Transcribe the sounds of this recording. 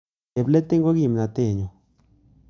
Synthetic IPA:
e˨ble˦t̪e˦ŋɡo˦ɡi˧˨mna˨t̪e˧˨ɲo˨

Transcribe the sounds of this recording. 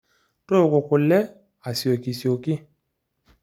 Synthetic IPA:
to˦o˨ko˨ko˨lɛ˦ | a˨si˨o˨ki˨si˨o˨ki˦

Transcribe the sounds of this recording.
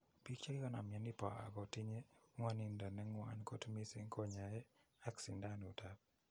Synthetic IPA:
pi˦kt͡ʃa˦ka˦na˨mja˨ni˦pa̰˨a̰˨ɡɔ˨tɪ˦ɲe˦ŋwa˦ni˨nda˨nɛ˦ŋwa̰˦nko˦tmi˦sɪ˦ŋko˦ɲa˨jɛ˦ | a˦ksi˨nda˦nu˨ta˨p̚

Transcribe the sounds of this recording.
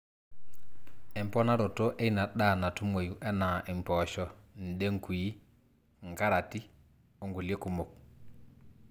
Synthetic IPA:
ɛ˨mpɔ˦na˦ɾɔ˨to˦ʔe˦i˦na˨ɗa˦˨na˨tu˦mo˨ju˨ʔɛ˦na˨ʔɛ˨m˨pɔ˨ʃɔ˦n̩˨de˦ŋku˨i˦ | ŋka˦ɾa˨ti˦ | o˦ŋɡu˨lje˦ku˨mo˨k̚

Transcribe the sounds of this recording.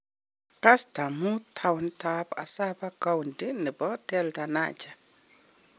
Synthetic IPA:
ka˦sta˨mu˦tʰawntapa̰˨sa˦ba˦ka˦wndi˦ni˨bɔ˦tɛlta˨na̰d͡ʒa˨

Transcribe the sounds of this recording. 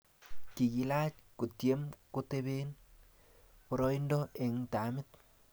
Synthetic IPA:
ki˨ki˨la˦t͡ʃku˨tje˦mku˦te˦βe˦n | pɔ˨ɾɔ˦i˦ndɔ˦ʔe˨ŋta˨˦mɪ˦t̚

